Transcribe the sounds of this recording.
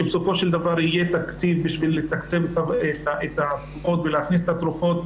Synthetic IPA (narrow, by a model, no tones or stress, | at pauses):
ebeso̞fo̞ʃeld̪avaʁijet̪akt͡sivbiʃvilːet̪akt͡sevet̪aetaʔet̪at̪ʁufo̞t̪veleaχnis̬et̪at̪ɾufo̞t̪̚